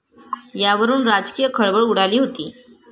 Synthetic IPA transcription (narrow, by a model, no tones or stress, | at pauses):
jaʋəɾuːnɾad͡ʑkijəkʰəɭʋəɭuɽ̤aliːɦot̪iː